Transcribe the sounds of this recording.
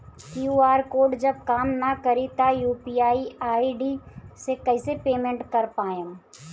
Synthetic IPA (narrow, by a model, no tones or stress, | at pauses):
kjuːaːɾkoːɖd͡ʒɐb̚kaːmnakəɾit̪ajuːpiːaːiaːiɖisekɐɪsepeːmẽɳʈkɐɾpaːjə̃